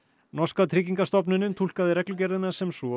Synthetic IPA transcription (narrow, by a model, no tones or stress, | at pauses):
nɔskat̪ʰɾɪciŋkast̪ɔp̬nʏnːɪnt̪ʰul̥kaðɪɾɛklʏc̬ɛɾðɪnːasɛmsvɔ